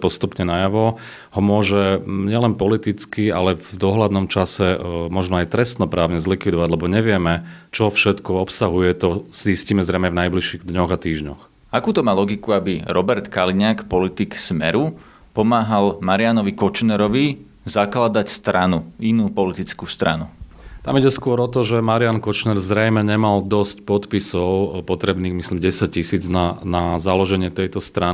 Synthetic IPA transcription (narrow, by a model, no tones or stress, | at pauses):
pɔst̪upɲɛnajaʋɔ | hɔmʊɔʒɛɲɪɛlɛnpɔlit̪it͡skia̰lɛvd̪ɔɦlad̪nɔmt͡ʃasɛmɔʒnɔajt̪ɾɛst̪nɔpɾaːʊɲɛzlikʋid̪ɔʋaɟlɛbɔɲɛʋɪɛmɛt͡ʃɔfʃɛt̪kɔɔpsaɦujɛt̪ɔzzisciːmɛzɾɛjmɛvnajbliʃiːɣd̪ɲɔɣat̪iːʒɲɔx | akuːt̪ɔmaːlɔɡikuabiɾɔbɛɾt̪kaliɲaːkpɔlit̪iksmɛ̰ɾu | pɔmaːɦalmaɾɪanɔʋikɔt͡ʃnɛɾɔʋi | zaklad̪acst̪ɾanuinuːpɔlit̪it͡skuːst̪ɾa̰nṵ | t̪amiɟɛskʊɔɾɔt̪ɔʒɛmaɾɪankɔt͡ʃnɛɾzɾɛjmɛɲɛmald̪ɔscpɔt̪pisɔʊpɔt̪ɾɛbniːɣmislimɟɛsac̚cisiːd͡znanazalɔʒɛɲɪɛt̪ɛjt̪ɔst̪ɾa